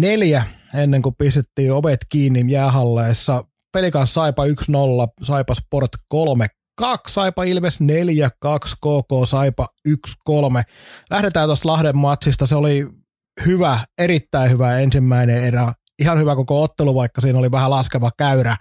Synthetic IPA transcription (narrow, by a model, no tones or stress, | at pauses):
neljæenːeŋkuppist̪et̪ːiːoʋet̪kiːnːijæːɦɑlːeːsːɑ | pelikɑnsːɑipɑyksnolːɑsɑipɑsport̪kolme | kɑkssɑipɑilmesneljækɑkskoːkoːsɑipɑykskolmelæhɾet̪æːt̪ost̪lɑhdemːɑt̪sist̪ɑseoli | hyʋæeɾit̪ːæihyʋæensimːæineerɑ | ihɑnhyʋækokoot̪ːeluʋɑikːɑsiːnoliʋæhælɑskeʋɑkæyɾæ